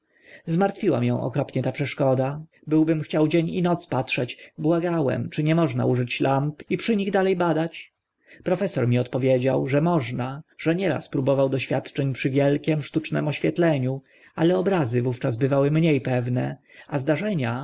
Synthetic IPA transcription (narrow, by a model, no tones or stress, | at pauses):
zmaɾt̪fʲiwa̰mjɛ̰̃w̃ʔɔ̰kɾɔpɲɛt̪apʂɛʂkɔd̪a | bɘwbɘmxt͡ɕawd͡ʑeɲḭnɔt̪spatʂɛt͡ɕbwaɡawɛ̰mt͡ʂɘɲɛmɔʐna̰uʐɘt͡ɕlampipʂɘɲiɣd̪alɛjbad̪at͡ɕ | pɾɔfɛsɔɾmʲiɔt̪pɔvʲjed͡ʑawʐɛmɔʐnaʐ̥ɛɲɛɾa̰spɾubɔvawd̪ɔɕfʲjat̪t͡ʂɛɲpʂɘvʲjɛlkʲɛmʂt̪ut͡ʂnɛ̰mɔɕfʲjɛt̪lɛɲu | alɛɔbɾazɘvuft͡ʂazbɘvawɘmɲejpɛvnɛazd̪aʐɛɲa